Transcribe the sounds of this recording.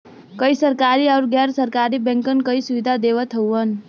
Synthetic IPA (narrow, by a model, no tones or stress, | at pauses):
kəisəɾkaɾiawɾɡaɾsəɾkaɾibẽŋkənkəisuʋid̪ʱad̪eʋət̪ʰɦəwən